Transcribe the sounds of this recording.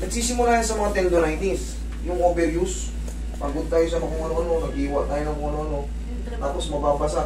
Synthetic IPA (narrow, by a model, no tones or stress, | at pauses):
nɐɡ̚siːsɪmʊlaːɾɪnsɐmɐŋat̪ɛnd̪onajt̪is | jʊŋʔobɛɾjus | paɡʊd̪̚t̪aːjosɐmɐkoŋɐnoʔɐno̞nɐɡiːwat̪aːjonɐmkoŋʔɐnoʔɐno̞ | t̪aːposmɐbaːbasa